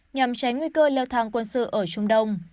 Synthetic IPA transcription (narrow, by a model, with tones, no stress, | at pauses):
ɲa˨˩mt͡ɕa˨˦jŋwi˧kəː˧lɛ˧wt̪ʰaː˧˩ŋkwə˧nsɨ̰˧˨ʔəː˧˩t͡ɕʊ˧ŋ͡mɗə˧wŋ͡m